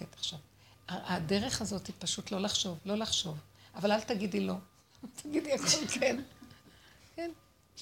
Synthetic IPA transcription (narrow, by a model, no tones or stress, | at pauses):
etaχʃav | aade̞ʁe̞χazo̞tipaʃutlo̞laχʃo̞vlo̞laχʃo̞vʔavalaltaɡidilo̞ | t̪ʰaɡidiako̞lken | ken